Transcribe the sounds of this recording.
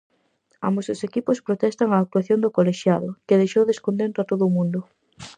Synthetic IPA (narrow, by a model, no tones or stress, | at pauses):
a̰mbososekipʊspɾot̪ɛst̪aŋaːk̚t̪uaθjond̪okoleʃjaðʊkeðejʃowðeskont̪̬ẽnt̪ʊat̪oðʊːmũnd̪ʊ